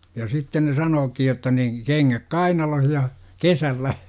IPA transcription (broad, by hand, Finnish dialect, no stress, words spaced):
jɑ sitːen ne sɑnoːkij jotːɑ ni keŋːæk kɑinɑloh jɑ kesælːæ